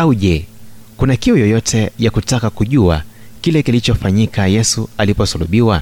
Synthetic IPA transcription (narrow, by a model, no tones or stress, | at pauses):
auʄɛkunakiujɔjɔtʰɛjakutakakuʄua̰ | kilɛkilit͡ʃɔfaɲikʰajɛsualipɔsuluɓiwa